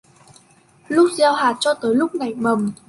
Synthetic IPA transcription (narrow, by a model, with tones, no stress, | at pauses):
lʊ˦˥k͡p̚zaː˧wɦaː˨˩t̚t͡ɕɔ˧t̪əː˨˦jlʊ˦˥k͡p̚na˨˩jmə˨˩m